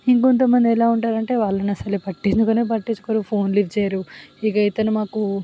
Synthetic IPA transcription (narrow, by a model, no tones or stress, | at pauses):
iŋkont̪ɐmɐnd̪iɛlaːuɳʈaːɾɐɳʈe̞ːʋaːɭːɐnɐsɐlepɐʈːind̪ukɐnep̬ɐʈːiɲt͡ʃːu̥koːɾupʰo̞ːnliʋt͡ʃɛːjaɾuikɐjit̪ɐnumaːku